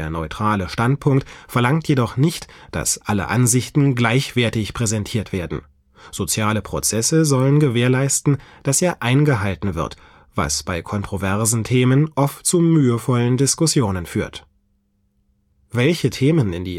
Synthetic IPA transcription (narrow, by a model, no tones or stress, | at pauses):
ɐnɔʏtʁ̥aːləʃtantpʰʊŋktfɛɐlaŋtʰjedɔχnɪçtd̥a̰sʔalə̰ʔanzɪçtn̩ɡlaɪçv̥ɛːɐtɪçpʁ̥ɛzɛntʰiːɐtv̥eːɐdn̩ | z̥ot͡sjaːləpʁ̥o̰t͡sɛsəzɔlənɡəveːɐlaɪstn̩d̥asʔeːɐʔaɪnɡəɦaltn̩vɪ̰ɐt | v̥a̰sb̥aɪkʰɔntʁ̥ovɛɐzn̩tʰeːmənʔɔftt͡sumyːəfɔləndɪskʊsjoːnənfyːɐt | vɛlçətʰeːmənɪ̰ndiː